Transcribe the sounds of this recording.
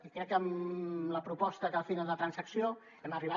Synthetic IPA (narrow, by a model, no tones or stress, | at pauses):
ikɾɛkːəmləpɾupɔst̪əkalfinalˠd̪ət̪ɾənsəksio | ɛməriβa